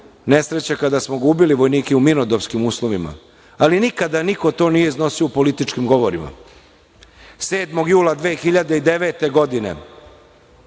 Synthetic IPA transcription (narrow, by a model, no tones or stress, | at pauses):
ne̞sɾe̞t͡ɕakad̪asmoɡuːbiliʋo̞jniːkɛuminod̪opskimuːslˠo̞ʋima̰ | alinikad̪aniko̞t̪o̞ːnije̞izno̞sioupo̞lit̪it͡ʃkimɡo̞ʋoɾima̰ | se̞ːd̪mo̞ɡjuːlad̪ʋeːxiʎad̪eid̪e̞ʋe̞ːt̪e̞ɡo̞d̪inḛ